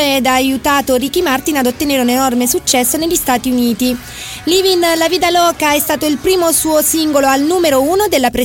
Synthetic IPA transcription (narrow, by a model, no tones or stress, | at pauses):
ɛd̪aːjut̪aːt̪oɾikːimart̪inad̪ot̪ːeneːɾunenɔrmesut͡ʃːɛsːoneʎːist̪aːt̪iuniːt̪i | livinlaviːd̪alɔːkaɛst̪aːt̪oilpɾiːmosuːosiŋɡoloalnuːmeɾouːnod̪elːapɾe